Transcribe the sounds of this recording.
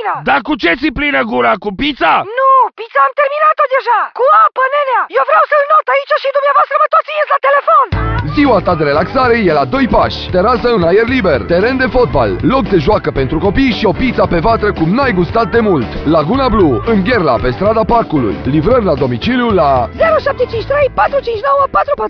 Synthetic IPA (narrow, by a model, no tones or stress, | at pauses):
nad̪akut͡ʃe̞t̪siplinəɡuɾakupit̪sanupit̪saːmt̪erminat̪od̪e̞ʒakuapəneleajewvɾawsəlnot̪ait͡ʃaʃid̪umneavoast̪ɾəvət̪ot̪sinet̪ʲlat̪e̞le̞fo̞nziwat̪ad̪e̞ɾe̞laksaɾe̞je̞lad̪o̞jpaʃʲt̪eɾasəɨnajerlibert̪e̞ɾe̞nd̪e̞fo̞t̪̚ba̰lːo̞k̚d̪eʒʊakəpe̞nt̪ɾuko̞pijʃio̞pit̪sape̞vat̪ɾəkumnajɡust̪at̪̚d̪e̞mult̪laɡunabluɨŋɡʲe̞rla̰pe̞st̪ɾad̪aparkulṵjlivɾərʲlad̪o̞mit͡ʃiljulaze̞ɾoʃap̚t̪et͡ʃint͡ʃʲt̪ɾe̞jpat̪ɾut͡ʃint͡ʃʲno̞wəpat̪ɾupat̪ɾ